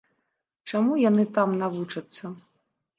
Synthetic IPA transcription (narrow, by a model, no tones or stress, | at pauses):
t͡ʂamujanɨt̪amnavut͡ʂɐt̪sːɐ